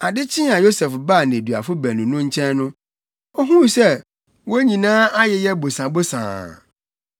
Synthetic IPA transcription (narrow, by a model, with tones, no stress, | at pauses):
a˨dɪ˦t͡ɕʰɪ̃˦a˨jo˦sɛ˨fba˦˨nɪ̃˨e˨dɥa̰˨fʊ˦bæ˨nũ˨nʊ̃˦ɲ̩˦t͡ɕʰɛ̃˦nnʊ̃˦ | ɔ˦ɦũ˦˨sɛ˦ | wɔ˦ɲĩ˨nãː˦a˦jɛ˨jɛ˦bo˨sã˨bo˦sã̰ː˨